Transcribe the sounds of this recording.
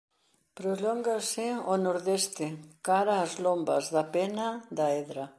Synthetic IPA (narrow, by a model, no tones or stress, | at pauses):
pɾoloŋɡasɪonoɾðest̪ɪkaɾaːzlombɐ̰zðɐpenɐd̪aeðɾɐ